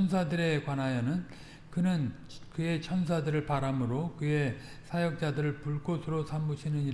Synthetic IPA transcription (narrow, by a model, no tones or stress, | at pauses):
ʌns̬ʰadɯɾe̞kwanɦajʌnɯn | kɯnɯn | kɯe̞t͡ɕʰʌns̬ʰadɯɾɯɭpaɾamɯɾokɯe̞ | sʰajʌk̚t͡ɕ͈adɯɾɯɭpuɭk͈osʰɯɾosʰamuɕʰinɯniɾ